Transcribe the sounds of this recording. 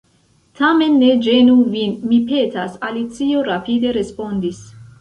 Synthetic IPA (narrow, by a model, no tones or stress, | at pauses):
tʰame̞nːed͡ʒenuvinmipe̞tasalit͡sioɾapide̞ɾe̞spo̞nd̪is